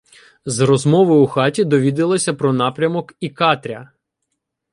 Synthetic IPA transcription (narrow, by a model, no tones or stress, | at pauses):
zrɔzmɔʋɪuxɑtʲid̪ɔʋʲid̪ɪlˠɔsʲɐpɾɔnɑpɾʲɐmɔkikɑt̪ɾʲɐ